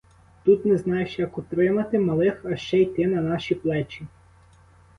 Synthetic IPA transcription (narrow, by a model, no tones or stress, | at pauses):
t̪ut̪nɛznɑjeʃjɐkʊt̪ɾɪmɐt̪ɪmɐlˠɪxɐʃt͡ʃɛjt̪ɪnɐnɑʃiplˠɛt͡ʃʲi